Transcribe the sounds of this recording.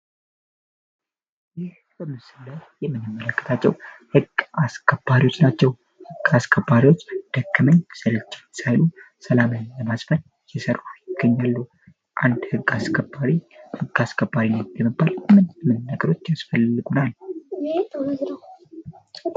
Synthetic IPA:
jɪh | bəmːɨsɨlətjɛmːɨnːɨmːələkːə̥t̪ʰat͡ʃːɛ̰whɨɡaskʰəb̥aɾiwo̞t͡ʃːnat͡ʃːɛw | hɨɡ̥ːaskʰəbːaɾiwo̞t͡ʃːd̪̥əkːɨməɲːsɨɾɨt͡ʃːsajlu | səlamənləmasfən | jɛsəɾuhɪɡəɲːalːu | ʔa̰nd̪hɨɡːaskʰəbːaɾihɨɡːaskʰəbːaɾinːət̪jɛmːəbːalmɨnmɨnːəɡəɾo̞t͡ʃːjasfəlːɨɡunal

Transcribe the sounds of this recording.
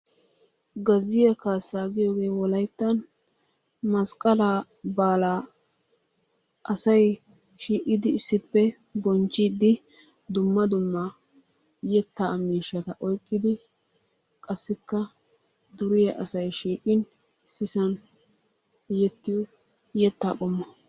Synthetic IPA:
ɡɐzɪjɐkaːsaːɡɪjoːɡe̞ːwɔlɐjt̪ːɐn | mɐskʼɐla | baːlaː | ʔɐsɐj | ʃiːkʼɪd̪ɪɪsːɪpːɛ | bɔnt͡ʃʼːiːd̪ːɪ | d̪ʊmːɐd̪ʊmːɐ | jɛt̪ːamiːʃɐt̪ɐʔɔjkʼːɪd̪ɪ | kʼɐsːɪkːɐ | d̪ʊɾɪjɐʔɐsɐjʃiːkʼɪn | ɪsːɪsɐn | jɛt̪ːɪjɔ | jɛt̪ːa̰ːkʼɔmːɐ

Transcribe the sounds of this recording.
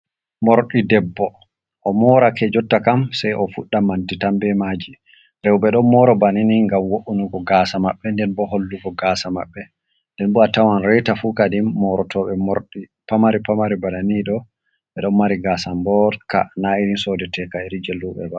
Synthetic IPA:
moɾɗidɛbːɔ | ʔɔmɔɾakɛd͡ʒɔtːakamsajʔɔfuɗːamantitambɛmaːd͡ʒi | ɾɛwɓɛɗɔnmɔɾɔbaniniŋɡamwoʔunuɡɔɡasamaɓːɛndɛnbɔholːuɡɔɡaːsama̰ɓːɛ | ndɛnbuatawanɾɛtafukadimːɔɾɔtʰɔɓɛmɔɾɗi | pamaɾipamaɾibaɗaniɗɔ | ɓɛɗɔnmaɾiɡasambɔlka̰naiɾinsɔdɛtʰɛkaɛɾid͡ʒelːuɓɛ̰ba

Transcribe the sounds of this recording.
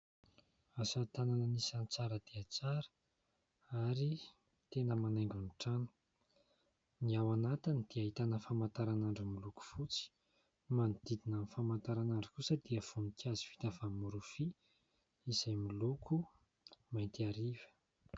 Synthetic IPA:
asat̪ananənisant͡saɾəd̪̥eat͡saɾə̥ | aɾi | t̪enəmanajŋɡuniʈ͡ʂanu̥ | niawanat̪inid̪̥iaɦit̪anəfamant̪aɾanaɳɖ͡ʐumiluku̥fut͡si̥ | manid̪id̪inənfamant̪aɾanaɳɖ͡ʐikusəd̪̥iəv̥unikʲiazi̥vi̥t̪avamuɾufi | iz̥ajmilukʰu | majnt̪iaɾivə̥

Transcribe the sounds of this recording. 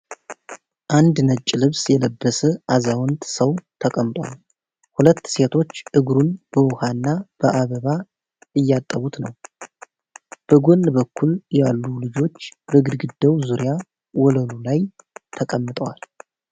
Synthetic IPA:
ʔand̪nət͡ʃʼːlɨβsjɛləbːəsəʔazawnt̪səwt̪ʰəkʼəmt̪ʼwa̰l | hulət̪ːse̞t̪ʰo̞t͡ʃːʔɨɡɾunb̥əwʊhanːab̥əʔaβəβa | ɨjːat̪ʼːəβut̪nəw | b̥əɡo̞nːbəkːuljalːulɨd͡ʒo̞t͡ʃːbəɡɨd̪ɡɨd̪ːəwzuɾija | wɔləlulajt̪ʰəkʼəmːɨt̪ʼəwal

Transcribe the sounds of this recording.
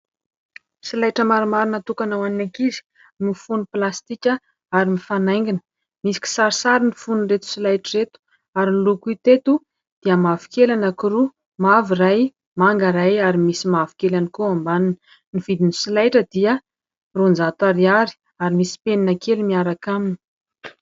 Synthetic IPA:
silajʈ͡ʂəmaɾumaɾinat̪ukanawaninakizi̥ | mifunuplast̪ikʲə | aɾimifanajŋɡinə̥ | misi̥ki̥saɾisaɾinifunret̪u̥silajʈ͡ʂəɾet̪u̥ | aɾinlukut̪et̪u | d̪̥iəmavikelanakuɾu | maviraj | maŋɡaɾajaɾimisimavi̥kelanikoambaninə | niv̥id̪inisilajʈ͡ʂəd̪iə | rond͡zat̪aɾiaɾi̥ | aɾimisi̥peninakelimiaɾakamini̥

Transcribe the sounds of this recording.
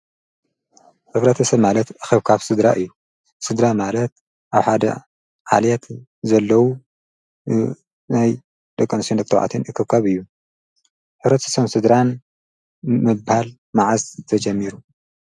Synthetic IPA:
ħɨβɾɐt̪ʰɐsɐβmalɐt̪ʔɨxɨβkʰaβsɨd̪ɾaʔɨjːu | sɨd̪ɾamalɐt̪̚ | ʔaβħad̪ɐ̰ | ʕa̰ljɛt̪ | zɐlːɐwu | naj | d̪̥ɐkʼːɐnɨsond̪ɨk̚t̪ɨwʕa̰t̪ʰɨnʔɨkʰːɨβkʰaβɨjːu | ħɨβɾɐt̪ʰɐ̥sɐmsɨd̪ɾan | mɨbhal | maʕazɨt̪ʰɐd͡ʒɐmːiɾu

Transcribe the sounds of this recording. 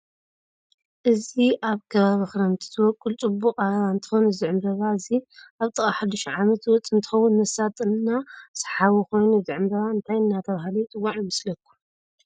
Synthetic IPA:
ʔɨziʔaβkʰɐβaβixɾɐmt̪ʰi̥t̪ʰɨwɔkʼːult͡sʼɨbːuqʼaɨnt̪ʰɨ̥xonuzɨʕɨmbɐβaɨziaβt̪ʼɨkʼaħad̪ɨʃʕamɐt̪wɔt͡sʼɨnt̪ʰɨ̥xɐwːʊnmɐsat̪ʼɨnːasḁħaβuko̞jnuzɨʕɨmbɐβaɨnt̪ʰajɨnːat̪ʰɐβahlit͡sʼɨwːaʕjmɐslɐkʰːu̥

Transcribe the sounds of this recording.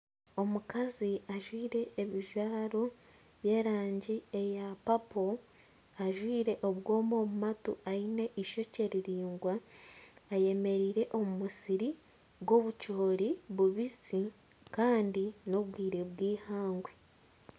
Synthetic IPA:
o̞mukaziaʒwiːɾe̞ːβiʒwaːɾo̞ | βje̞ːɾaːɲɟiejapapo̞ | aʒwiːɾe̞ʔo̞βwo̞ːmo̞ːmumatuaine̞ʔiʃo̞ce̞ɾiɾiːŋɡwaː | je̞me̞ɾiːɾe̞ʔo̞mumusiɾi | βɡo̞βut͡ʃoːɾiβuβisi | kaːndino̞βɡwiːɾeβwiːhaːŋɡwe̞

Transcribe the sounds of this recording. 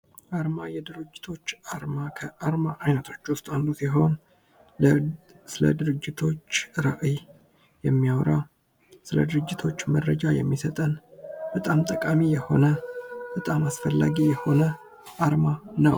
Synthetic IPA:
ʔaɾmajɛd̪ɨɾɨd͡ʒːɪt̪ʰo̞t͡ʃːaɾmakʰəʔaɾmaʔajnət̪ʰo̞t͡ʃːwʊst̪ʼanlusiɦo̞n | sɨlə̰d̪ɨɾɨd͡ʒːɪt̪ʰo̞t͡ʃːɾaʔi | jɛmːijawɾa | sɨlə̰d̪ɨɾɨd͡ʒːɪt̪ʰo̞t͡ʃːməɾːəd͡ʒajɛmːisət̪ʼənb̥ət̪ʼamt̪ʼəkʼamijɛho̞̰nəb̥ət̪ʼamasfəlːa̰ɡijɛho̞nə | ʔaɾmanəw

